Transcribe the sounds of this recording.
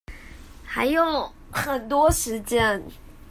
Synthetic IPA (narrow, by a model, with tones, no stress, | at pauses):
xa˧˥ɪjo˨˩ʊ | xə˨˩nt̪wɔ˥ʂɻ̩˧˥t͡ɕjɛ˥n